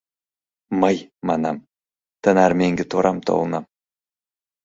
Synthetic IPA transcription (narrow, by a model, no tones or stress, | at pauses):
majmɑnɑm | t̪ʰənɑɾmeŋɡʲɪt̪ʰoɾʔɑmt̪ʰo̰wlˠənɑm